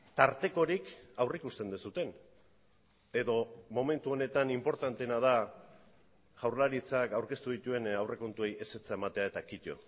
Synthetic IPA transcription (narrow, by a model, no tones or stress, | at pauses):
t̪aɾt̪e̞ko̞ɾikawrikust̪e̞nd̪usut̪e̞n | e̞ðo̞mo̞me̞nt̪uo̞ne̞t̪animpo̞ɾt̪ant̪e̞nað̞a | ɣawɾlaɾit͡sakawɾke̞st̪uðit̪ue̞nawrʔe̞ko̞nt̪ue̞jʔe̞se̞t͡sae̞mat̪e̞ae̞t̪akit̪o̞̰